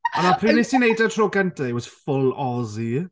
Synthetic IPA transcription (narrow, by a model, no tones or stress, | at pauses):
ɔnapʰrinɪsinejdatʰroːɡɛntɛjwɔz̥fʊlˠɔzi